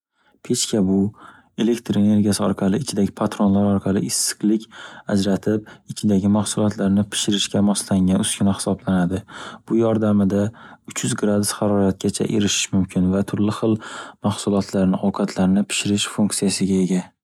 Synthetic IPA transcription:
pʰe̞t͡ʃkʲʰabʊ | e̞le̞kt̪ʰɾene̞ɾɡʲijasɪɒɾqʰɑlˠɪɪt͡ʃʰɪd̪aɡʲɪpʰat̪ɾonlaɾɒɾqʰɑlˠɪɪsːɪ̥qlˠɪkʲad͡ʒɾat̪ʰɪp̚ɪt͡ʃʰɪd̪aɡʲɪmahsʊlˠɒt̪laɾnɪpʰɪ̥ʃɪɾɪʃkʲamɒslaŋɡʲanʊskʲɪnahɪ̥sɒblanad̪ɪb̥ʊjɒɾd̪amɪd̪aʊt͡ʃjʏzɡɾad̪ʊsχɑɾɒɾat̪̚kʲat͡ʃʰa̰ʔḛɾɪʃɪ̥ʃmʊmkʲʰɪnvat̪ʰʊɾlɪχɨlˠmaχsʊlˠɒt̪ʰlaɾnɪowqʰɑt̪ʰlaɾnɪpʰɪ̥ʃɪɾɪʃfuŋk̪sijasɪɡʲae̞ɡʲa

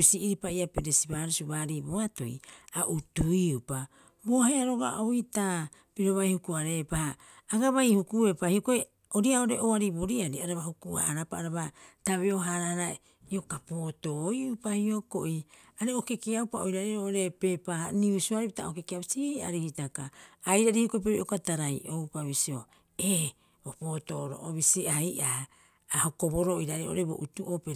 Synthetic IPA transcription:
siːɾipaiapeɾesibaːɾusuβaːɾiboato̰jaʔutuiupa | bo̞heaɾoɡa̰oita | piɾo̞βajhukuaɾe̞pahaː | ɡaβajhukue̞pahio̞koi | oɾiaoɾeʔoaɾibo̞ɾiaɾiaɾaβahukua̰aɾapaːɾaβataβeo̞ɦaɾahaɾae | io̞kapo̞ːto̞jupahio̞koʔiaɾeoke̞kiawpaojɾaɾeɾoʔoɾe̞pe̞paniusuaɾipitaokekiaβisia̰ɾihitakaːjɾaɾihiokoep̬eoiokataɾajʔowpaβisio | e | opo̞ːto̞ɾo̰ʔoβisiajʔaː | hoko̞bo̞ɾoiɾaɾeɾoʔo̰ɾebo̞̰ʔutuʔopeɾ

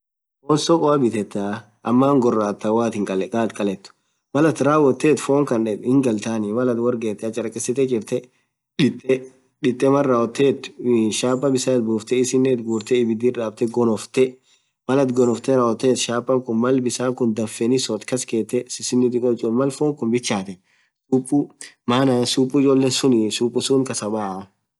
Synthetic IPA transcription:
oːnsɔkʼɔɐbɪt̪ɛt̪ːa | ʔɐmːaːŋɡɔrːaːt̪ːɐwaːt̪ɪŋkʼɐlɛkʼaːt̪kʼɐlɛt̪ːʊ̥ | mɐlɐt̪ɾaːwɔt̪ːeːt̪foːŋkɐnᶑɛt̪ɪŋɡɐlt̪aːnɪmɐlɐt̪wɐɾɡeːt̪ːɛɐt͡ʃʼɐɾɐkʼːɛsɪt̪ɛd͡ʒɪɾt̪ɛ | ᶑɪt̪ʼːɛ | ᶑɪt̪ʼːɛmɐrːaːwɔt̪ːet̪ːʊʃaːpːɐbɪsaːt̪̚buːft̪ɛɪsɪnːet̪ɡuːɾt̪ɛɪbɪd̪iːᶑaːb̚t̪ɛɡɔnɔft̪ɛ | mɐlɐt̪ɡɔnɔft̪ɛɾɐɔt̪ːeːt̪ʃaːpːɐŋkʊnmɐlbɪsaːŋkʊnd̪ɐfːɛnɪsɔt̪kɐske̞ːt̪ːɛsɪsɪnːɪt̪ɪkʼɔt͡ʃʼʊmɐlfoːŋkʊnbɪt͡ʃːaːt̪ɛ | suːpʼːʊ | maːnaːnsuːpʼːʊɪd͡ʒoːlːesʊnɪsuːpʼːʊsuːŋkɐsɐbaː

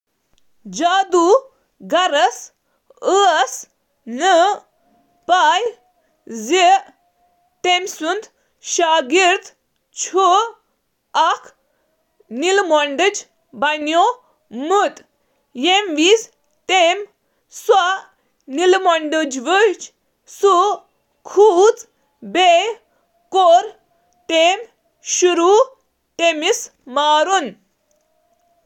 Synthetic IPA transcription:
d͡ʑad̪u | ɡɐɾəs | əs | nə | paj | d͡ze | t̪emsund̪ | ɕaɡiɾt̪ | t͡ɕʰo | akʰ | nilmɔɳɖəd͡ʑ | banjo | mut̪ | jemʋis | t̪em | swa | nilmɔɳɖəd͡ʑʋət͡ɕ | su | kʰut͡s | be | koɾ | t̪em | ɕuɾu | t̪emis | maɾun

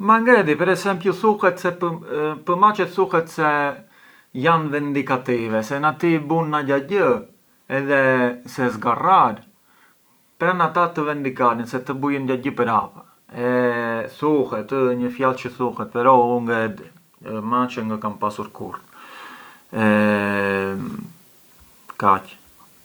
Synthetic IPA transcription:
maŋɡɛd̪ipɛɾɛsɛmpjuθuhɛt̪sɛpəpəmat͡ʃɛt̪θuhɛt̪sɛ | janvɛnd̪ikat̪ivɛsɛnat̪ibunːaɟaɟə | ɛðɛsɛzɡaraɾ | pɾanat̪at̪əvɛnd̪ikaɾənsɛt̪əbujənɟaɟəpəɾapə | ɛθuhɛt̪əɲəfjalt͡ʃəθuhɛt̪̚pɛɾɔuŋɡɛd̪ | mat͡ʃəŋɡakampasuɾkṵɾt̪ | ɛ | kac

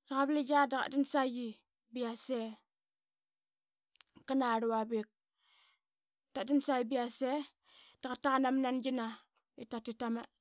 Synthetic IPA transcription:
daɣabled͡ʒadaka̰dinsaji | biase | kːanaɾuwabik̚ | tadinsaibiase | d̥akatːakanamnanɡina | itatitama

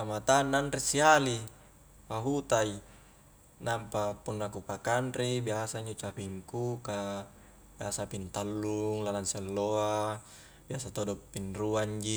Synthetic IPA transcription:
amat̪anːanɾesiali | paɦut̪ai | nampapunːakupakanribiasaiɲd͡ʒot͡ʃapiŋkuka | biasapint̪alːuŋlalansɛlːoa | biasat̪odɔpːinruaɲd͡ʒi

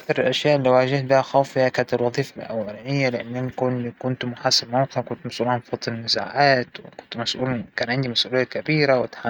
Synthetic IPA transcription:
kθɑɾˤɪlʔaʃjaːʔlːiwʕaːʒaht̪̚bɪhaxaːfɪjakaːnat̪ɪlwɑðˤiːfalʔa̰wːalanɪjːalɪʔɪnːʔɪnkʊnikʊnt̪mʊħaːsɪbmoːqɪʕkʊnt̪masʔuːlhabfɑt̪ˤːnːɪza̰ːʕaːt̪wɪkʊnt̪masʔuːlkaːnʕɪnd̪imasʔuːlɪjːakabiːɾawɪt̪ħa

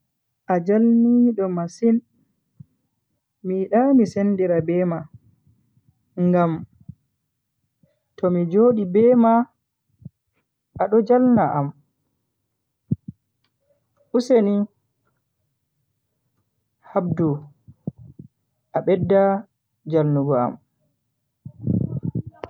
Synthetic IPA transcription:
ʔad͡ʒalniɗɔmasin | miɗamisendiɾabɛma | ŋɡam | tɔmid͡ʒoːɗibɛːma | ɗɔd͡ʒalnaʔam | ʔuseni | habdu | ʔaɓɛdːa | d͡ʒalnuɡɔa̰m

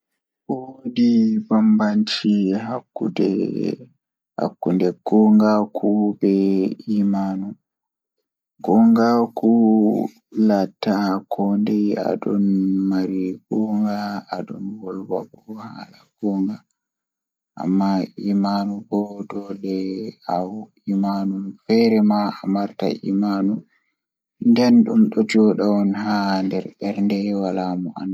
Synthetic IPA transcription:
bodibambant͡ʃiɦakːṵdɛ̰ | ha̰kːundɛɡɔŋɡakʰubɛimaːnu | ɡ̥ɔŋɡakʰu | latːakʰɔndɛa̰ɗɔnmaɾiɡɔŋɡaaɗɔnwɔlwa̰ɓɔha̰ɗaɡɔŋɡa | ʔa̰mːaimanubɔdɔɗɛaw | imanumfɛɾɛmaamaɾta̰ḭmanu | ndɛnɗumɗɔtiɔɗawɔnɦandɛɾbɛɾndɛwalamɔʔa̰n

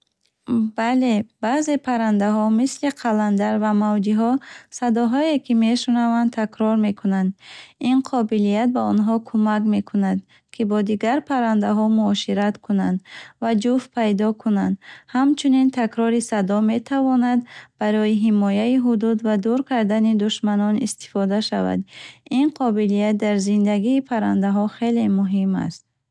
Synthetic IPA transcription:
bale̞b̥aze̞pʰaɾand̪aɦɔmisliqʰaland̪aɾvamavd͡ʒiɦɔsad̪ɔɦɔekʰime̞ʃunavant̪ʰakɾɔɾme̞kʰunand̪inqʰɔbilijat̪̚baɔnɦɔkʰumakme̞kʰunad̪ | kʰibɔd̪iɡaɾpʰaɾand̪aɦɔmuɔʃiɾat̪kʰunand̪vad͡ʒufpʰajd̪ɔkʰunand̪hamt͡ʃʰunint̪ʰakɾɔɾisad̪ɔme̞t̪ʰavɔnad̪baɾɔjiɦimɔjaiɦud̪ud̪vad̪uɾkʰaɾd̪anid̪uʃmanɔnist̪i̥fɔd̪aʃava̰d̪inqʰɔbilijat̪̚d̪aɾzind̪aɡiːpʰaɾand̪aɦɔχe̞le̞muɦima̰st̪̚

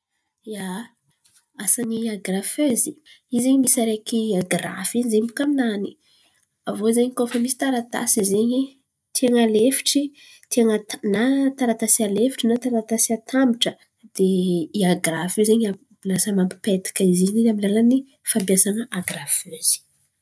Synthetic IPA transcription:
ja | asaniaɡraføziizeɲimisaɾekiaɡra̰fiɲzeɲbukaminani̥ | avozeɲikofəmisi̥t̪aɾat̪a̰sizeɲi | t̪ʰiaŋalefi̥ʈ͡ʂi | t̪ʰeaŋat̪nat̪aɾat̪asialefi̥ʈ͡ʂinat̪aɾat̪asiat̪ʰamiʈ͡ʂə | d̪̥eiaɡrafizeɲa | ilasamambi̥pet̪i̥kaizininamilalani | fampijasanəʔaɡraføz̥i̥

